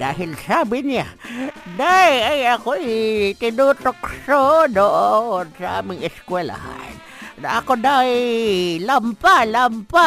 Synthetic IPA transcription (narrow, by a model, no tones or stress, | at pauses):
d̪a̰ːɦɪlsabɪnad̪ajajakoit̪ɪnut̪oksodoʔonsaa̰ːmɪŋɪskwela̰ha̰n | na̰akod̪a | lampalampa